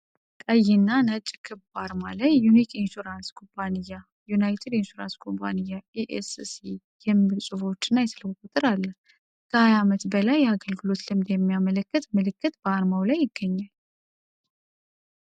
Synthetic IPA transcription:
kʼəjɪnːanət͡ʃʼkʰɨbaɾmalajːunikʰinʃuɾanskʰompʰanijːa | junajt̪ʰed̪inʃuɾa̰nskʰompʰa̰nijaiʔessi | jɛmɨsʼɨfo̞t͡ʃːɨnːajɛsɨləwkʼut̪ʼɨɾalːəh | kʰəhajamət̪bəlajːɛaɡəlɡɨlo̞t̪lɨmd̪jɛmːijamələkːɨt̪mɨlɨkːɨt̪bəaɾmawlajːɪɡːəɲːal

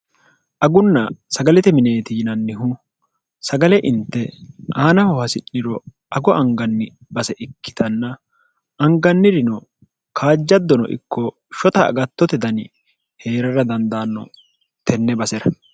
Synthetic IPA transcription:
ʔɐɡʊnːɐsɐɡɐlɛt̪ɛmɪneːt̪ɪjnɐnːɪɦʊ | sɐɡɐlɛʔɪnt̪ːɛaːnɐhɔhɐsɪnːɪɾɔ | ɐɡɔʔɐŋɡɐnːɪ | bɐsɛʔɪkːɪ̥t̪ɐnːɐ | ʔɐŋɡɐnːɪɾɪnɔ | kʰaːd͡ʒːɐd̪ːɔnɔ̰ʔɪ̰kːɔ | ʃɔt̪ɐ̰ːɡɐt̪ːɔt̪ɛd̪ɐnɪ | heːɾɐɾɐd̪ɐnd̪aːnːɔ̰ | t̪ʰɛnːɛbɐsɛɾɐ

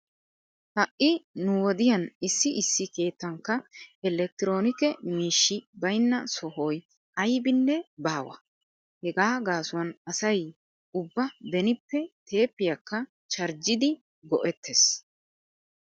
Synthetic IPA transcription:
hɐʔːɪnʊwɔd̪ɪjɐnɪsːɪʔɪsːɪke̞ːt̪ːɐŋkːɐɛlɛk̚t̪ɪɾo̞ːnɪkɛmiːʃːɪbɐjnːɐsɔɦoj | ɐjbɪnːɛbaːwɐ̰ | hɛɡaːɡaːsʊwɐnɐsɐj | ʊbːɐbɛnɪpːɛt̪ʰe̞ːpːɪjɐkːɐ | t͡ʃɐɾd͡ʒɪd̪ɪ | ɡɔʔɛt̪ʰːes

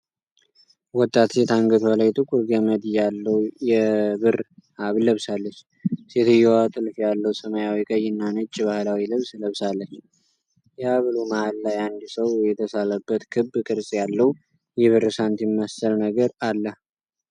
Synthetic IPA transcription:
wɔt̪ʼːat̪set̪ʰaŋɡət̪ʰwəlajt̪ʼɨkʼuɾɡəməd̪jalːəwjɛβɨraβləβsalːət͡ʃː | set̪ʰɨjːɛwat̪ʼɨlfjalːəwsəmajawikʼəjːɪnːanɨt͡ʃʼːβahɨlawilɨβsləβsalːət͡ʃː | jɛaβɨlomahalːajand̪səwjɛt̪ʰəsaləbːət̪kʰɨbːkʼɨɾsʼjalːəw | jɛβɨrsant̪jɪmːəsəlnəɡəɾalːə

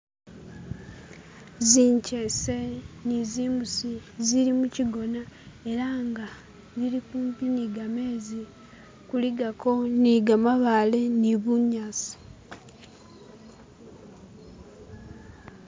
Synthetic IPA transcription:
ziːɲcese̞niziːmusiziɾimuciɡo̞nae̞ɾaŋɡa | ziɾikuːmpiniɡame̞ːzi | kuliɡako̞niɡamaβale̞niβuɲasi̥

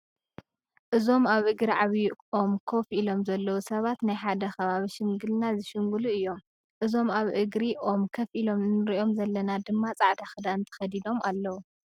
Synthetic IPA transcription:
ʔɨzo̞maβʔɨɡɾiʕaβiʔo̞mkʰo̞fʔilo̞mzɐlːɐwusɐβat̪najħad̪ɐxɐβaβiʃɪŋɡɨlnazɨʃɪŋɡuluɨjːo̞m | ʔɨzo̞maβʔɨɡɾiʔo̞mkʰɐfʔilo̞mnɨɾiʔo̞mzɐlːɐnad̪ɨmːat͡sʼaʕt̪ʰaxɨd̪aɨnt̪ʰɐ̥xɐd̪id̪o̞malːɐwu

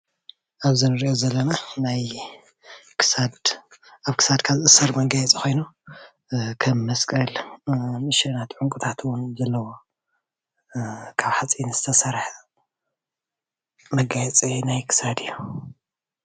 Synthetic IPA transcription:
ʔaβzɨnɨɾiʔozɐlːɐnanaj | kʰɨsad̪ʔaβkʰɨ̥sad̪kʰazʔɨsɐɾmɐɡajɛt͡sʼixʰo̞jnu | kʰɐmːɐskʼɐlmɨʃɐnat̪ʰʕuŋkʼut̪ʰat̪ʰwʊnzɐlːɐwo | kʰaβħat͡sʼinz̥ɨt̪ʰɐsɐɾħ | mɐɡajɛt͡sʼinajkʰɨ̥sad̪ɨjːu

